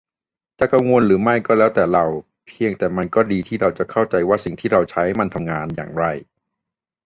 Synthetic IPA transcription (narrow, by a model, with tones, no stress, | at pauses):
t͡ɕa˨˩ka˧ŋwo˧nɾɯː˩˦ma˥˩jkɔː˥˩lɛː˦˥wt̪ɛː˨˩ɾa˧w | pʰi˧əŋt̪ɛː˨˩ma˧nkɔː˥˩diː˧t̪ʰiː˥˩ɾa˧wt͡ɕa˨˩kʰa˥˩wt͡ɕa˧jwaː˥˩si˨˩ŋt̪ʰiː˥˩ɾa˧wt͡ɕʰa˦˥jma˧nt̪ʰa˧mŋaː˧nja̰ː˨˩ŋɾa˧˩j